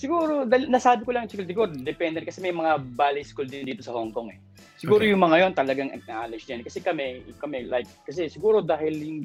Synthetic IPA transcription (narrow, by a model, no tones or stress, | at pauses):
sɪɡuːɾod̪alnɐsaːbɪkolɐŋt͡ʃɪkɐld̪ɪɡuɾd̪ɛpɛnd̪ɛn̚kɐsɛmɐjmɐŋabaːlɐjskuld̪ɪnd̪iːt̪o̞sɐhoŋko̞ŋɛ | sɪɡuːɾojʊŋmɐŋajo̞nt̪ɐlɐɡaŋʔɐ̰k̚naːlɐd͡ʒd͡ʒ̪ɐnkɐsɛkɐmɛkɐmɛlʔajkːɐsɛsɪɡuːɾod̪aːhɪljʊŋ